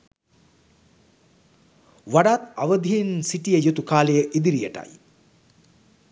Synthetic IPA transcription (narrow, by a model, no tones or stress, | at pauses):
ʋaɖaːt̪aʋəd̪ʱiinsiʈijəjut̪ukaːlejəʔid̪iɾijəʈa̰j